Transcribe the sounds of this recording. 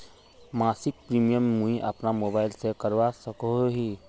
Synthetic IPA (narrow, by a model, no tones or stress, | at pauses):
maːsɪk̚pɾimijəmːũɦĩʔəpnamoːbaːɪlsekəɾwasəkoɦiː